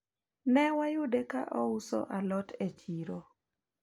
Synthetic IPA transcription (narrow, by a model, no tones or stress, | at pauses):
nɛwajʊdeka̰ʔɔʊsɔ̰ʔalɔtʰet͡ʃiɾo